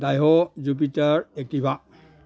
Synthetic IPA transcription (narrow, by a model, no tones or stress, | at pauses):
dajɦɔzup̬itaɹek̚tibʱa